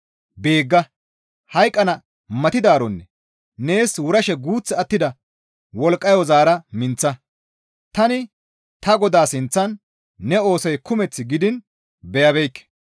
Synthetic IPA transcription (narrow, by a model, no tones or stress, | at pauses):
be̞ːɡːɐ | hɐjkʼːɐnɐ | mɐt̪ɪd̪aːɾɔnːɛː | e̞ːswʊɾɐʃɛɡuːt͡sːɛɐt̪ːɪd̪ɐ | wɔlkʼːɐjɔzaːɾɐmɪnt͡sːɐ | t̪ɐnɪ | t̪ɐɡɔd̪aːsɪnt͡sːɐnː | ɛo̞ːsɔjkʊmɛt͡sːɪɡɪd̪ɪn | bɛjɐbɛjkːɛ̥